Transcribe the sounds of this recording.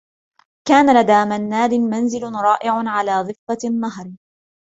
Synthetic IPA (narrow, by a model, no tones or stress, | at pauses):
kaːnalad̪aːmanːaːd̪ɪmanzɪlʊɾˤɑːʔɪʕʊnʕalaːd̪ˤɨfːanːaɦɾˤ